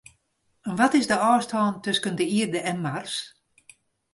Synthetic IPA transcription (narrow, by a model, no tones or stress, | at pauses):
ənʋɔtɪsdəɔːstʰɔːntøskəndəiərdəɛnmars